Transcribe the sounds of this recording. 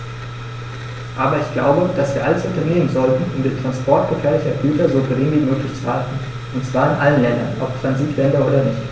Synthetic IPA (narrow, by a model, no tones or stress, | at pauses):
ʔaːbɐɪçɡ̥la̰ʊbəd̥asv̥iːɐʔaləsʔʊntɐneːmənzɔltn̩ʔʊmdeːntʁ̥anspʰɔɐt̚ɡ̥əfɛːɐlɪçɐɡyːtɐzoːɡəʁɪŋviːmøːklɪçt͡suhatn̩ | ʔʊntt͡sv̥aːɐɪnʔalənlɛndɐ̰nʔɔ̰ptʁ̥anziːtʰlɛndɐʔoːdɐnɪçt